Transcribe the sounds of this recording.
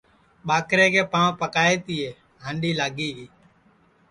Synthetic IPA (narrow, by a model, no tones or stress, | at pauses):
ɓaːkɾeːkeːpãːʋpəkaːeːt̪iːeː | ɦãːɳɖiːlaːɡiːɡiː